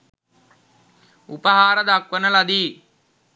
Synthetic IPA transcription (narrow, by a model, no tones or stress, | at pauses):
upəɦaːɾəd̪akʋənəlad̪iː